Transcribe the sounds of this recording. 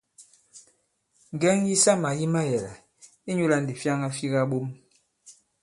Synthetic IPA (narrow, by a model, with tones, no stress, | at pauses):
ŋ˨ɡɛ˦ŋji˦sa˦ma˨ji˦ma˦jɛ˨la̰˨ | i˦ɲu˦la˦n˨di˨fja˦ŋa˦fi˦ɣa˦ɓo˦m